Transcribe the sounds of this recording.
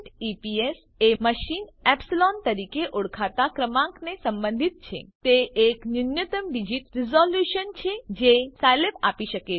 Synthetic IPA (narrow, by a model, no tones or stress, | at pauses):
ʈipies | eməʃinɛpsilɔnt̪əɾikeʔʊɽkʰat̪akɾəmãŋknesə̃mbə̃nd̪ʱit̪̚t͡ʃʰḛt̪eeknunjət̪əmʋid͡ʒit̪ɾizɔljuʃənt͡ʃʰed͡ʒesalepa̰piʃəke